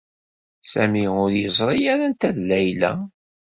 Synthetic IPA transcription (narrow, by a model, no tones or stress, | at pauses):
sæ̰miʊɾjəzˤɾˤijæɾænt̪æðlæjlæ̰